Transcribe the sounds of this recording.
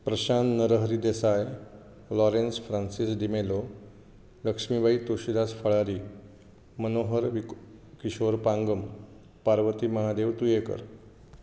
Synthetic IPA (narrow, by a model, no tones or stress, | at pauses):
pɾəɕanːəɾəɦɾiːd̪esaj | lɔɾensfɾansisd̪imelo | ləkʂmibʱait̪uɕid̪asfʰəɭaɾiː | mənoɦəɾʋi | kiɕoɾpãŋɡəm | paɾʋət̪iːməɦad̪eʋt̪ujekə̰ɾ